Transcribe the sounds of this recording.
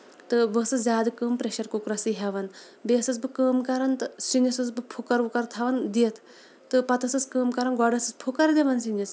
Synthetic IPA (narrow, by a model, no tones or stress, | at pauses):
t̪ɨʋəsɨzʲaːd̪ɨkəːmpɾeʃɐɾkukɾɐsɨɦʲɐʋɐn | beːsɐt͡sbɨkəːmkɐɾɐnt̪ɨsinisɨt͡sbɨpʰukɐɾʋukɐɾt̪ʰɐʋɐnd̪iɐt̪ʰ | t̪ɨpɐt̪ɐsɐskəːmkɐɾɐnɡɔɖɐsɨt͡spʰukɐɾd̪eʋɐnsinis